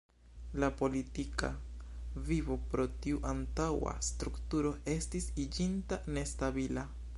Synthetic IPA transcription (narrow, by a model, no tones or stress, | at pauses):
lapo̞litika̰vivo̞pɾo̞tiuʔantawa̰stɾuktuɾo̞ʔe̞stisid͡ʒintane̞stabila